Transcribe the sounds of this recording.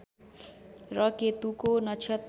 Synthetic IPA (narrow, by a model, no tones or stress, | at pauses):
rʌket̪ukonʌt͡ʃʰjʌt̪